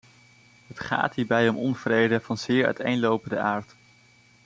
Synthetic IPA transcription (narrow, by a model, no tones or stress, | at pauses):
ɦətχa̰ːtɦiːɹbɛjɔmɔnv̥rejdəvɑnzɪːɹœ̰ɥtejnlowpəndəʔaːɹt